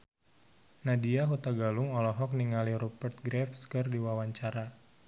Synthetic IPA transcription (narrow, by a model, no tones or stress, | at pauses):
nadiaɦut̪aɡaluŋɔlɔɦɔk̚niŋaliɾupərt̪̚ɡɾɛfskɨrdiwawaɲt͡ʃaɾa